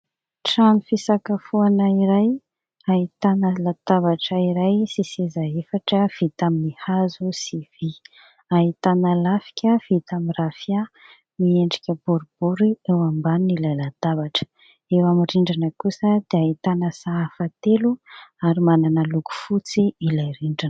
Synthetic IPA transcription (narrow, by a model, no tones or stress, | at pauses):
ʈ͡ʂanifisakafuanəiɾaj | aɦit̪anəlat̪abaʈ͡ʂəiɾajsisizaefaʈ͡ʂəv̥it̪aminihazusiv̥i | aɦit̪anəlafi̥kʲəfit̪amirafia | mieɳɖ͡ʐikʲəbuɾub̥uɾiewambanilajlat̪abaʈ͡ʂə̥ | ewamiriɳɖ͡ʐanəkusəd̪̥eaɦit̪anəsaafat̪eluaɾimananəluku̥fut͡siilajɾiɳɖ͡ʐanə